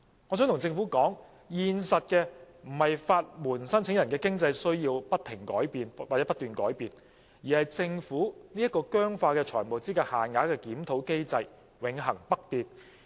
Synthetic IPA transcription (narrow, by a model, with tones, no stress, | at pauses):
ŋɔː˨˥sœː˨˥ŋt̪ʰʊ˨˩t͡sɪ˧ŋfuː˨˥kɔː˨˥ŋ | jiː˧nsɐ˨t̚kɛː˧ | m̩˨˩hɐ˨jfaː˧t̚muː˨˩nsɐ˥nt͡sʰɪ˨˥ŋjɐ˨˩nkɛː˧kɪ˥ŋt͡sɐ˧jsɵ˥ɥjiː˧wpɐ˥t̚t̪ʰɪ˨˩ŋkɔː˨˥jpiː˨na˨˩ɛ˨˦˥pɐ˥t̪yː˨nkɔː˨˥jpiː˨˧n | jiː˨˩hɐ˨jt͡sɪ˧ŋfuː˨˥ni˥ɐ˥kɔː˧kœː˥ŋfaː˧kɛː˧t͡ʃʰɔː˨˩jmo˨wt͡siː˥kɛː˧haː˨nŋaː˨˧˥kɛː˧kiː˨˥mt̪ʰo˨˥wke˥jt͡sɐ˧j | wɪ˨˥ŋɦɐ˨˩ŋpɐ˥k̚t̪iː˨t̚